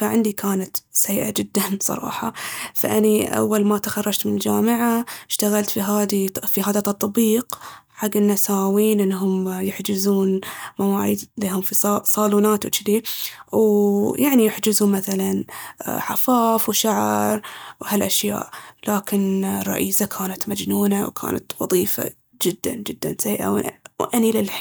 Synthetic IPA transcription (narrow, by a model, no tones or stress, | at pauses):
faʕɪnd̪ikʰaːnat̪sjːʔa̰d͡ʒɪd̪ːansˤɑ̰ɾˤɑ̰ːħɑfa̰ʔaniʔa̰wːalmat̪axɑrˤːɑd͡ʒt̪mɪnɪld͡ʒaːmɪʕaɪʃt̪aɣalt̪fiɦaːd̪ifiɦaːðat̪ɑt̪ˤːbiːqħaɡːɪnːasaːwiːnʔɪnːɦʊmjɪħd͡ʒɪzuːnmawaːʕḭːd̪leːɦʊmfisˤɑːluːnaːt̪wt͡ʃɪd̪iwjʔaʕnijɪħd͡ʒɪzʊmaθalanħafaːfwʃaʕɾˤwhalʔaʃja̰ːʔlaːkɪnrˤːɑ̰ʔiːsakʰaːnat̪mad͡ʒnuːnawkʰa̰ːna̰t̪wɑ̰ðˤiːfa̰ | d͡ʒɪd̪ːa̰nd͡ʒɪd̪ːa̰nsaiːʔa̰wʔwʔanilɪlħ